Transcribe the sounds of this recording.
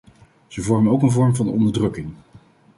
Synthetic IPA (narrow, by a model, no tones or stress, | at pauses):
z̥əvɔɹmənowkənvɔɹmvɑnɔ̰ndəɹdrɵkɪŋ